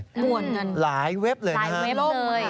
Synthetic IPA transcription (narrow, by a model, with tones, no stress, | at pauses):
mu˨˩ənŋɤ˧nlaː˩˦jwe˦˥p̚lɤː˧ja˦ɦa˦˥e˦˥˩lɤː˧j